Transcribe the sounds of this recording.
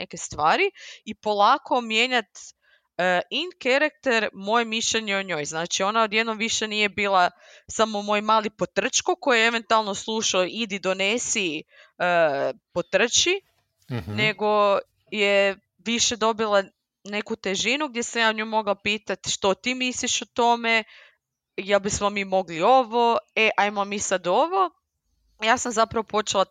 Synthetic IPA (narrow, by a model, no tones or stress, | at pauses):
neke̞st̪ʋaːɾiipo̞lˠaːkʰo̞mje̞ːɲat̪ | əinkeɾak̚t̪eɾmo̞jemiʃʎeɲeoɲo̞jznaːt͡ʃio̞naod̪jed̪nomʋiʃenije̞biːlˠa | samomo̞ːjmaːlipot̪r̩t͡ʃkokojejeeʋe̞nt̪ualˠno̞slˠuʃaoid̪id̪o̞nesi | əpot̪r̩t͡ʃi | ne̞ɡo̞ | je | ʋiʃe̞d̪o̞bilˠa | ne̞kut̪e̞ʒinuɡ̚d̪jesamjaːoɲumo̞ɡlapiːt̪at̪ʃt̪o̞t̪iːmisliʃot̪o̞me̞ | jelˠbismomimo̞ɡlio̞ʋoeʔajmomisad̪o̞ʋo̞ | jaːsamzapɾaʋopo̞t͡ʃelˠa